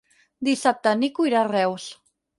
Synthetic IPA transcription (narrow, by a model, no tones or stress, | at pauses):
d̪isap̚t̪anikujɾarɛws